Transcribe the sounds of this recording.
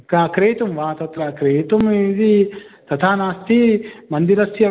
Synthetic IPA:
kakɾeːt̪umʋaːt̪ɐt̪ɾɐkɾeːt̪umid̪i | t̪ɐt̪ʰaːnaːst̪imɐnd̪iɾɐsjɐ

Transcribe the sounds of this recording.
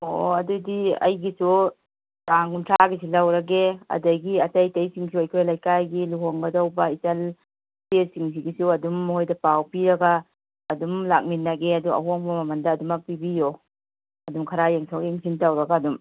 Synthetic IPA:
o̰ɐdudiɐ̰jɡisu | taŋɡuntʰaɡisilɐwɾɐɡeɐ̰dɐɡiɐtɐjtɐjsiŋsʰiojkʰɾjlajkajɡiluɦoŋɡɐdɐwbɐisɐl | pesiŋs̬iɡisuɐdumhojdɐpawpiɾɐɡaː | dumlak̚minːɐɡeɐduɐ̰ɦoŋbɐmɐmɐndɐːdumɐk̚pibijo | ɐdumkʰɐɾajeŋsʰokiŋpʰintɐwɾɐɡaːdum

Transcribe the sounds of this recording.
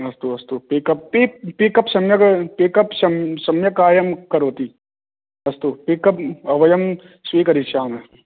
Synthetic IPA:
ɐst̪uɐst̪upikɐp̚pippikɐpsɐmjɐkpikɐpsɐmsɐmjɐkaːjɐmkɐɾoːt̪iː | ɐst̪upikɐp̚ɐʋɐjɐm | sʋiːkɐɾit͡ʃaːme

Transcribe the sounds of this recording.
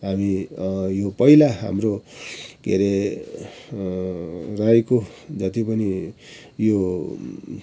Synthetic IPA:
ɦamijopʌilaɦa̰mɾokḛɾe | rajkod͡zʌt̪ipʌni | jo

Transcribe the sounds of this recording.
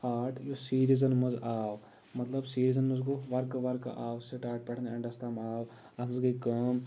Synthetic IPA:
aːʈʰjosiːɾizɐnmɐzaːʋ | mɐt̪lɐbsiːɾizɐnmɐzɡoʋɐɾkʋɐɾkʔaːʋseʈaːʈ̚pɛʈʰneɐɳɖɐst̪ʰaːmaːʋ | ɐmɐzɡɐkɐːm

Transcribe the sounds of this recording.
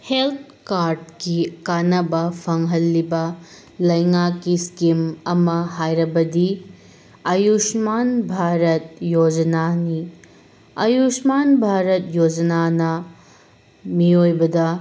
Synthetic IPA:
helt̪̚ʰkaɾd̚kikanɐbɐpʰɐŋɦɐlːibɐ | lɐjŋakːiskimɐmɐhajɾɐbɐdi | ɐjusmanbʱaɾɐt̚jod͡ʒɐnani | ɐjusmanbʱaɾɐt̚jod͡ʒɐnanɐ | miojbɐdɐ

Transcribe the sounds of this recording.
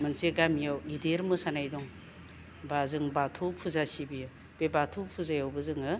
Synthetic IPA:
mɯnseɡamjawɡideɾmɯsanajdɔŋ | bazɯŋbatʰɔpʰuzasibijɯ | b̥ebatʰɔpʰuzajawbɯzɯŋɯ

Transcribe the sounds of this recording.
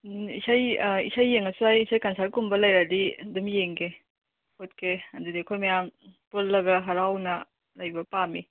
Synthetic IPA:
isajḭsajːeŋɐsuajisajkɐnsaɾkumbɐlɐjɾadidumjeŋɡe | hotkʰeɐndudiɐkʰojmɐjampullɐɡɐɦɐɾawnɐ | lajbɐpami

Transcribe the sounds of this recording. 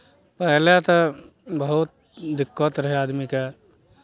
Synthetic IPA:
pɛɦlet̪ə | bəɦʊt̪̚ | d̪ɪkːət̪ɾəɦeaːd̪mike

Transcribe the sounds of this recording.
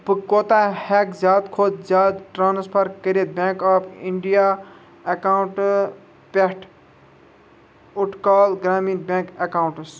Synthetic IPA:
pɨkoːt̪ahɛkzʲjaːd̪kʰoːd̪zjaːd̪ʈɾaːnspʰɐɾkəɾet̪̚bẽːkaːpiɳɖija | ɐkaːwɳʈ | peʈʰ | ʊʈʰkaːlɡɾaːmiːnbʲẽːŋkɐkaːw̃ɳʈs

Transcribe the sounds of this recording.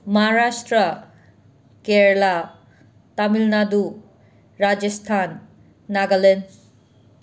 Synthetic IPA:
maɦaɾastɾɐ | keɾla | tamilnadu | ɾad͡ʒestʰanː | aɡalen

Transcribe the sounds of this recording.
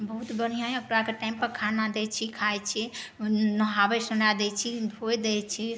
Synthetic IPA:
bəɦut̪bən̤ijãjəkɾakeʈajmpəɾkʰanad̪ɛt͡ʃʰikʰajt͡ʃʰinəɦabesənad̪ɛt͡ʃʰib̪ʱojd̪ɛt͡ʃʰi

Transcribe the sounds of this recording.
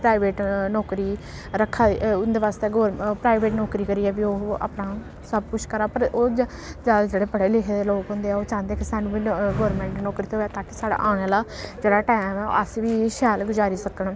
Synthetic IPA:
pɾaːɪʋeːʈnɔːkɾiː | ɾəkʰːaːʊnd̪eːʋaːst̪eːɡoːɾpɾaːɪʋeːʈnɔːkɾiːkəɾiːɛːbiːoːa̰ːpnãː | səb̚pʊʃkəɾaːpəɾoː | d͡ʒad͡ʒeːɽeːpəɽeːlɪkʰed̪eːloːkɦʊ̃nd̪eːɛːoːt͡ʃãːnd̪eːkɪsaːnũːiːɡoːɾmɛ̃ːɳʈnɔːkɾiːt̪eɦoɛːt̪aːkisaːɽa̰ːʔaːɽ̃eːlaːd͡ʒeːɽaːʈaːjmɛ̰ːə̰sʋiːʃɛːlɡʊzaːɾiːsəkəɳ

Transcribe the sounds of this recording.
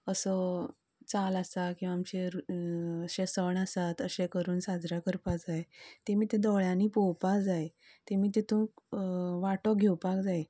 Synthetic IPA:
əsɔ | t͡salasakĩw̃ʋaːmt͡ɕeɾuəɕesəɳasat̪əɕẽkəɾuːnsad͡zɾakəɾpad͡zaet̪emiːt̪ed̪ɔɭjãniːpɔwpad͡zae | t̪emiːt̪̬et̪ũːkʋaʈɔɡʱewpakd͡zae

